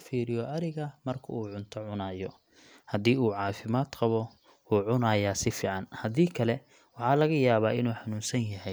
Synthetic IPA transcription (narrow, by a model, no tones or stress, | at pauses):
fiːɾɪjɔʔɐɾɪɣɐmɐrkʰɐ̰uːʕʊnt̪ʰɔʕʊnaːjɔ | hɐd̪iːuːʕɑːfɪmaːd̪qɑβɔ | uːʕʊnaːjaːsɪfiːʕɑnhɐðiːkʰɐlɛ | wɑħɑːlɐɣɐjaːβaːʔɪnuːħɑnuːnsɐnjɐɦɛj